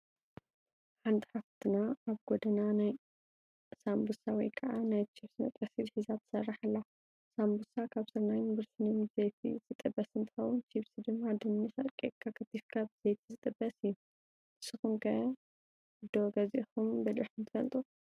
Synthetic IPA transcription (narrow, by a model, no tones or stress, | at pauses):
ħant̪ʰi̥ħaft̪ʰɨnaaβɡod̪ɐnanaj | sambusawɔjkʰɐʔanajt͡ʃʰiβsinɐ̰t̪ʼɐsizħɨzat̪ʰːsɐrːaħalːa | sambusakʰaβsɨɾnajnbɨɾsɨnɨmbzejt̪ʰḭz̥ɨt̪ʼɨbːɐsɨnt̪ʰɨ̥xɐwʊnt͡ʃʰiβsid̪ɨmːad̪ɨmnifɐ̰t̪kʼekʰːakʰɐt̪ːifkʰaβzejt̪ʰizɨt̪ʼɨbːɐsɨjːu | ɨsːɨxumkʰɐ | d̪oɡɐziʔxumbɐlʔiħunt̪ʰɨ̥fɐ̰lt̪ʼu